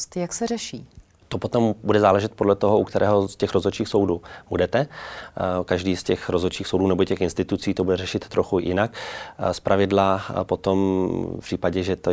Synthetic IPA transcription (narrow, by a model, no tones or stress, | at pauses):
t̪jaksɛrɛʃiː | t̪opo̞t̪o̞mbudɛzaːlɛʒɛt̪̚po̞dlɛt̪o̞ɦoʔukt̪ɛɾɛːɦoscɛxɾo̞zot͡ʃiːxsowduːb̥udɛt̪ɛ | kaʒdiːscɛxɾozot͡ʃiːxsowduːnɛbocɛxɪnst̪ɪt̪ut͡siːt̪obudɛrɛʃɪt̪ːɾʔoxujɪ̰nakspɾʔavɪdlapo̞t̪ompr̥iːpaɟɛʒɛt̪o